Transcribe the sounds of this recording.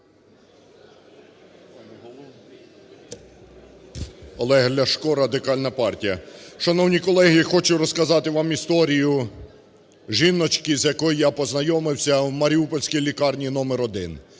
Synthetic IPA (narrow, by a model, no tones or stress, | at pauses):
ɔlˠɛɦlʲɐʃkɔɾɐd̪ɪkɑlʲnɐpɑrtʲijɐʃɐnɔwnʲikɔlˠɛɦixɔt͡ʃʊɾɔskɐzɑt̪ɪʋɑmist̪ɔɾʲijʊ | ʒinːɔt͡ʃkɪzjɐkɔjjapɔznɐjɔmɪwsʲɐwmɐɾʲiupɔlʲsʲkijlʲikɑrnʲijnɔmeɾɔd̪ɪ̰n